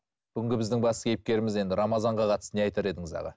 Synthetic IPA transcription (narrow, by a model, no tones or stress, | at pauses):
b̥ʏɡʲɪŋɡʲɪbɪzd̪ɪŋbɑsəkʲʰejɪp̚kʲe̞ɾɪmɪze̞nd̪ɪɾɑmɑzɑɴʁɑqʰɑt̪ə̥səne̞ɑjt̪ɑɾe̞d̪ɪŋɪzɑ̰ʁɑ̰